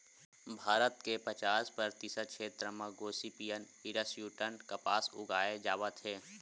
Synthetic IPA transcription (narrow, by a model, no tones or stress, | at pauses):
bʱaːɾət̪kepɐt͡ʃaːspəɾt̪isəʃʰeːt̪ɾəmãɡoːsipijən | iɾəsjuːʈənkɐpaːsʊ̰ɡaːed͡ʒaːʋət̪ɦɛː